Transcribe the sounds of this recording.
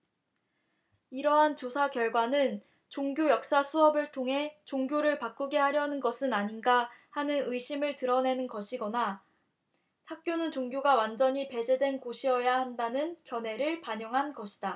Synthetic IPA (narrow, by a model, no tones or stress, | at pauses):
iɾʌɦant͡ɕosʰakjʌɭɡwanɯn | t͡ɕoŋɡjojʌk̚s͈asʰuʌbɯɭtʰoŋɦe̞t͡ɕoŋɡjoɾɯɭpak͈uɡe̞haɾjʌnɯnɡʌsʰɯnaɲinɡahanɯnɯiɕ͈ʰimɯɭtɯɾʌne̞nɯnɡʌɕʰiɡʌna | sʰak̚k͈jonɯnt͡ɕoŋɡjoɡawand͡ʑʌɲipe̞d͡ʑe̞dwe̞nkoɕʰiʌjahandanɯnkjʌne̞ɾɯɭpaɲʌŋɦanɡʌɕʰi̥d̥a